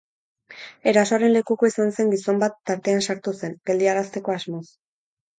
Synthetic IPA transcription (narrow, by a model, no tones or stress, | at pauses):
e̞ɾaso̞aɾe̞nle̞kukoisanse̞ŋɡiso̞mbat̪ːaɾt̪e̞ansaɾt̪use̞nɡ̥e̞ld̪iaɾast̪e̞ko̞azmo̞s